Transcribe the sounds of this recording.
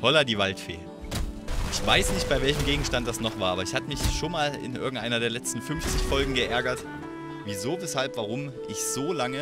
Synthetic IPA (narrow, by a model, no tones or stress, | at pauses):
hɔladiːvaltfḛː | ʔɪçv̥aɪsnɪçt̚b̥aɪvɛlçəm̩ɡeːɡŋ̩ʃtant̚d̥asnɔχv̥aːɐʔaːbɐɪçhatəmɪçʃoːnmaːlɪ̰nʔɪ̰ɐɡŋ̩tʔaɪnɐɾeːɐlɛt͡stn̩fʏnft͡sɪçfɔlɡŋ̩ɡəʔɛɐɡɐt | viːzoːvɛshalpv̥aʁ̞ʊm | ʔɪçz̥oːlaŋə